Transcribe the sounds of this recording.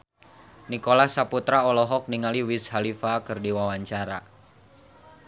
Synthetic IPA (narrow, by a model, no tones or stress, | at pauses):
nikolahsaput̪ɾaɔlɔɦɔk̚niŋaliwishalifakɨrdiwawaɲt͡ʃaɾa